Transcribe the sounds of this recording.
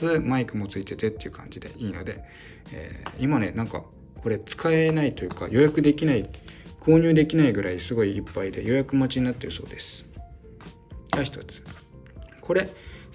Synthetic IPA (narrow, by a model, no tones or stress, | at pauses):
ɨmaikɯ̟mo̞t͡sɨit̪e̞t̪e̞t̪ːe̞iɯ̟kʰã̰ɲ̟d͡ʑid̪e̞̰ʔiːno̞̰d̪e̞̰ | ḛːimane̞nãŋka̰ | kʰo̞ɾe̞t͡sɨ̥kaenait̪o̞jɯ̟ːka̰jʔo̞jakɯ̟d̪e̞kʲinaikʰo̞ːɲ̟ɨːd̪e̞kʲinaiɡɯ̟ɾaisɨɡo̞iːpːaid̪e̞̰jo̞jakɯ̟mat͡ɕiɲ̟inat̪ːe̞ɾɯ̟so̞̰ːd̪e̞sɨ̥ | d͡ʑaçi̥t̪o̞t͡sɨ̥ | kʰo̞ɾe̞